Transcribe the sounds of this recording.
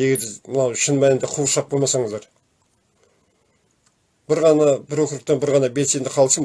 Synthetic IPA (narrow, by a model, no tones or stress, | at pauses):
eɡʲe̞ɾd̪ɪmənɑwʃɪnmænɪnd̪eqʰuʃɑq̚bo̞lˠmɑsɑɴəzd̪ɑɾ | b̥ɪɾʁɑnɑbɪɾokɾəq̚t̪ɑnbɪɾʁɑnɑbet̪se̞nd̪ɪqʰɑlˠsəm